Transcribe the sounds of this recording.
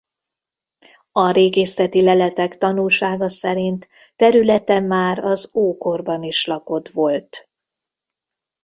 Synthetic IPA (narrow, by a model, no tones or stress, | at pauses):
ɒɾeːɡeːsɛt̪ilɛlɛt̪ɛkt̪ɒnulʃaːɡɒsɛɾint̪ː | ɛɾylɛt̪ɛmːaːɾɒzoːko̞rbɒniʃlɒko̞t̪ʋo̞lt̪